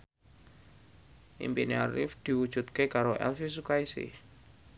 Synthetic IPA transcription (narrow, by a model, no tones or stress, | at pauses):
ʔḭmpiniaɾɪ̰fd̪̥i̤wud̥ʒ̥ṳt̪̚kekaɾoʔɛ̰lfisukaisḭ